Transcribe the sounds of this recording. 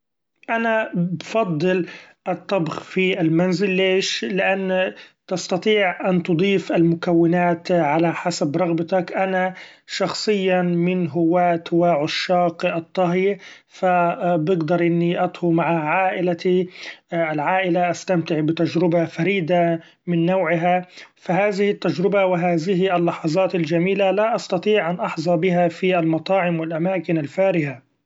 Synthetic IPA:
ʔanabfɑd̪ˤːɨlʔɨt̪ˤːɑbxfiʔɪlmanzɪlːeːʃlɪʔanːt̪ɑst̪ɑt̪ˤiːʕʔant̪ʊd̪ˤiːfʔalmʊkawːɪnaːt̪ʕalaħasabɾˤɑɣbɑt̪akʔanaʃɑxsˤɨjːamɪnɦʊwːaːt̪waʕʊʃːɑːqʔɨt̪ˤːɑɦj | fabɪɡd̪ɑɾˤʔɪnːiʔɑt̪ˤhʊmaʕaʕaːʔɪlai | ʔalʕaːʔɪlaʔast̪amt̪ɪʕbɪt̪ad͡ʒɾɪbafaɾiːd̪a | mɪnːawʕɪɦafaɦaːðɪhɪt̪ːad͡ʒɾɪbawɪɦaːðɪɦʔalːɑħɑzˤɑːt̪ald͡ʒamiːlalaʔɑst̪ɑt̪ˤiːʕʔanʔɑħzˤɑbɪɦafiʔalmɑt̪ˤɑːʕɪmwɪlʔamaːkɪnalfaːɾɪha

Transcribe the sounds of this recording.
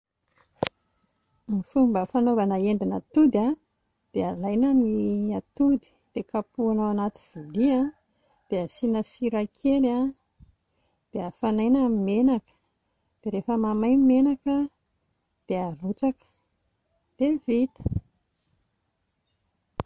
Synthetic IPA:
mifumbəfanovanəeɳɖ͡ʐinat̪ud̪a | d̪̥ealajnəniat̪ud̪i̥d̪̥ekapuanawanat̪i̥v̥ulia | d̪̥easinəsiɾakʰela | d̪̥eafanajnamimenakə̥ | d̪̥eɾefəmamajmenakə | d̪̥earut͡sakə̥ | d̪̥evit̪ə̥

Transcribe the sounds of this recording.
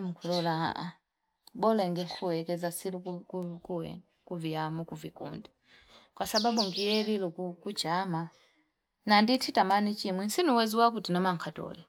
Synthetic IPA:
mukʰulɔlaa̰ʔa̰ | bɔlɛŋɡɛkʰuwɛkɛzasilukukuwɛ̰ | kuviamukuvikṵnda | kwasababuŋɡijɛlilukukut͡ʃama | nanditʰitamanit͡ʃimwɛnsinuwɛziwakutinɔmaŋkʰatɔ̰lɛ

